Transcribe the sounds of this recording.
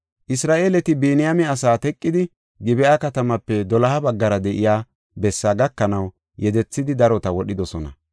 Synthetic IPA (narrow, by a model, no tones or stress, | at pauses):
ʔɪsɾaːʔeːlɛt̪ɪbeːnɪjamɛɐsaːt̪ɛkʼːɪd̪ɪ | ɡɪbɛʔakɐt̪ɐmɐpːɛd̪ɔlɐhɐbɐɡːɐɾɐd̪ɛʔɪjaː | bɛsːaːɡɐkːɐnɐw | jɛd̪ɛt͡sːɪd̪ɪd̪ɐɾɔt̪ɐwɔɗɪd̪ɔsɔnɐ̰